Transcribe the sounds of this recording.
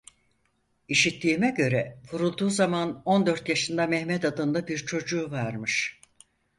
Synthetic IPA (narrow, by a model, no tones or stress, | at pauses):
iʃit̪ʰːiːmɛɟø̞ɾɛvuɾulˠd̪uːzamano̞nd̪ø̞ɾt̪jaʃɯnd̪amɛhmɛt̪ad̪ɯnd̪abiɾt͡ʃʰo̞d͡ʒuːvaɾmɯʃ